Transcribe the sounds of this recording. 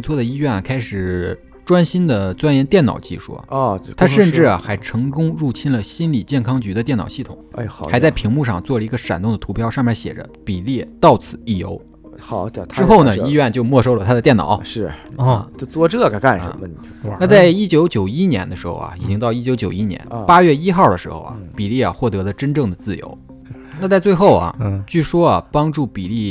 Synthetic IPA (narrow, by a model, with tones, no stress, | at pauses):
t͡swɔ˥˩d̪ə˩i˥ɥɛ˥˩n˨˩kʰa˥ɪʂɻ̩˨˩ | ʈ͡ʂwa˥nɕi˥nd̪ə˨t͡swa˥njɛ˧˥nt̪jɛ˥˩nɑ˨˩ʊt͡ɕḭ˥˧ʂṵ˥˩˧t̪ʰa˥ʂə˥˧nʈ͡ʂɻ̩˥˩ɐ˩xa˧˥ɪʈ͡ʂʰɤ˧˥ŋkʊ˥ŋɻu˥˩t͡ɕʰi˥nlə˨ɕi˥nli˨˩t͡ɕjɛ˥˩nkʰɑ˥ŋt͡ɕy˧˥d̪ə˧t̪jɛ˥˩nɑ˨˩ɕi˥˩t̪ʰʊ˨˩˦ŋ˧˩xxa˧˥ɪt͡sa˥˩ɪpʰi˧˥ŋmu˥˧ʂɑ̰˥˧ŋt͡swɔ˥˩lə˩i˧˥ɡə˧ʂa̰˨˩nt̪ʊ˥˩ŋd̪ə˩t̪ʰu˧˥pʰjɑ˥ʊʂɑ˥˩ŋmja˧˥ɕjɛ̰˨˩ʈ͡ʂə̰˦pi˨˩li˥˩t̪ɑ˥˩ʊt͡sʰɹ̩˨˩˦i˥˩jo˧˥ʊ | ɑ˨˩˦t̪ʰʈ͡ʂ̩˥xo˥˩ʊnə˩i˥ɥɛ˥˧nt͡ɕjo˥˧ʊmwɔ˥˩ʂo˥ʊlə˨t̪ʰa˥d̪ə˧t̪jɛ˥˩nɑ̰˨˩˦ʊʂɻ̩˥˩˧t͡ɕo˥˧t͡swɔ˥ʈ͡ʂɤ˥˩kka˥˩nə̰˧˩˧ə˧n | na˥˧t͡sa˥˧ɪi˥t͡ɕjo˧˥ʊt͡ɕjo˨˩ʊi˥njɛ̰˧˥nd̪ə˧ʂɻ̩˧˥xo̰˥˧ʊɐ̰˩i˨˩t͡ɕi˥ŋt̪ɑ˥˩ʊi˥˩t͡ɕjo˧˥ʊt͡ɕjo˨˩ʊi˥njɛ̰˧˥npa˥ɥɛ˥˩i˥xɑ˥˩ʊd̪ə˩ʂɻ̩˧˥xo̰˥˧ʊɐ̰˨˩pi˨˩li˥˩a˩xwɔ˥˩t̪ɤ˧˥lə˧ʈ͡ʂə˥nʈ͡ʂɤ˥˩ŋd̪ə˩t͡sɹ̩˥˩jo̰˧˥ʊ | na˥˧t͡sa˥˧ɪt͡swe˥˧ɪxo˥˩ʊɐ̰˩t͡ɕy˥˩ʂwɔ˥ɐ˨˩pɑ˥ŋʈ͡ʂu˥˩pi˨˩li˥˩